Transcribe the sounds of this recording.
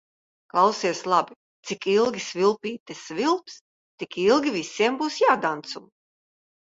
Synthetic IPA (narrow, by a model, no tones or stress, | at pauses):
klˠawsiɛslˠabi | t̪sikilˠɡʲisvilˠpiːt̪ɨsvilˠps | t̪ikilˠɡʲivʲisʲiɛmbuːsjaːd̪ant̪sum